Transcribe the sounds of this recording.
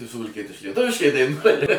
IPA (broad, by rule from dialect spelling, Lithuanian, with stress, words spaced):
tɐɪ sʊʋɐlʲˈkʲiɛtʲɪʃkɐɪ lʲiɛˈtʊʋʲɪʃkɐɪ dɐɪˈnuɔjɛ